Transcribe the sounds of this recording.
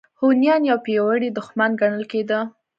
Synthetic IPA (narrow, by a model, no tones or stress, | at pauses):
honjɑnjɑwpewəɽid̪ʊxmanɡaɳəlked̪ə